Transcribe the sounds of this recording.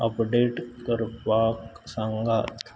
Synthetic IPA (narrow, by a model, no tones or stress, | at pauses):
ɐpɖeːʈkəɾpaːksə̃ŋɡaːt̪